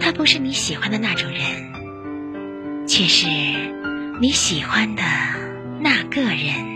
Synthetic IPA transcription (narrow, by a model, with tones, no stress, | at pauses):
t̪ʰa˥pu˧˥ʂɻ̩˥˩ni˧˥ɕi˨˩xwa˥nd̪ə˨na˥˩ʈ͡ʂʊ˨˩ŋɻə˧˥n | t͡ɕʰɛ˥˩ʂɻ̩˥˩ | ni˧˥ɕi˨˩xwa˥nd̪ə˨ | na˥˧kɤ˥˩ɻə˧˥n